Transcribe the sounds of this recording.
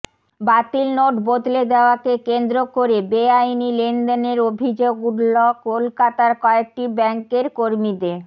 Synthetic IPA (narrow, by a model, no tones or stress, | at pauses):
bat̪ilnoʈbod̪led̪eoakekend̪ɾokoɾebeajnilenɖ̪eneɾobʱid͡ʑoɡuɾlokolkat̪aɾkɔek̚ʈibɛŋkeɾkoɾmid̪eɾ